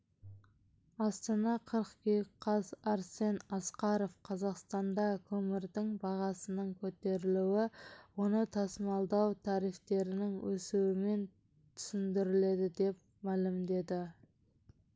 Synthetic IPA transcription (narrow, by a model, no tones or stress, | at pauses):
ɑst̪ɑnɑqʰəɾqkʲejqʰːɑzɑɾse̞nɑsqɑɾo̞fqʰɑzɑqst̪ɑnd̪ɑkʲʰɵmɪɾd̪ɪŋbɑʁɑsənəŋkʲʰɵt̪e̞ɾɪluwɪwo̞nət̪ʰɑsmɑlˠd̪ɑwt̪ʰɑɾijft̪e̞ɾɪnɪŋwɵ̰suwɪme̞n | t̪ʰʏ̥sɪnd̪ɪɾɪle̞d̪ɪd̪e̞p̚ | mælɪmd̪e̞d̪ɪ